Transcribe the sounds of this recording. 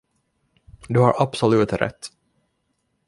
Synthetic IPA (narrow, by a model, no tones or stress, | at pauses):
d̪ɵhaɾʔapsɔlʉ̟ːt̪ɾʔɛ̰t̪ː